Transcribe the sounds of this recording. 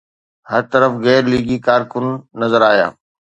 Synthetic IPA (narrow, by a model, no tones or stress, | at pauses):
hɐɾt̪ɐɾəfɣɛːɾliːɡikaːɾkʊnːɐzəɾaːɦija̰ː